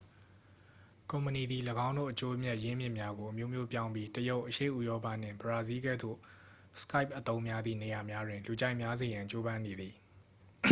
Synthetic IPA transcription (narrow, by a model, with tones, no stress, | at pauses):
kõ˨mpəni˨d̪i˨ləɡã˦ʊ̃ndo̰˦˨ʔət͡ɕo˦mjɛ˦˨ʔjɪ̃˦mjɪ̰̃˦˨mja˦ɡo˨ʔəmjo˦˨mjo˦pjã˦ʊ̃mbi˦təjo˦ʊʔəʃḛ˦˨ʔu˦˨jɔ˦pa̰˦˨n̥ɪ̰̃˦˨mbəɹa˨zi˦ɡɛ˦˨d̪o̰˦˨ | sə̥ka˦ɪp̚ʔət̪õ˦ʊ̃mja˦d̪ðḭ˦˨ne˨ja˨mja˦dwɪ̃˨nlu˨d͡ʑa˦ɪʔmja˦ze˨jã˨ɲt͡ɕo˦bã˦ne˨d̪ði˨